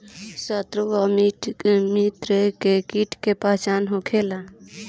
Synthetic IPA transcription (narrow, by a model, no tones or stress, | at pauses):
sət̪ɾoʋamimit̪ɾekekiʈkepat͡ʃanɦokʰela